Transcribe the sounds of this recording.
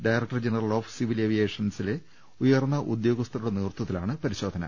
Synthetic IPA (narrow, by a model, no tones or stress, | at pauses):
ɖajrɐk̚ʈɐrd͡ʑenɐrɐlo̞ːfsiʋileʋijeːʂɐnsile | ujɐrnːɐʔud̪jo̞ːɡɐst̪ɐɾuɽeniːrt̪ːɐt̪ːilaːɳɨpɐɾiɕo̞ːd̪ʱɐnɐ̰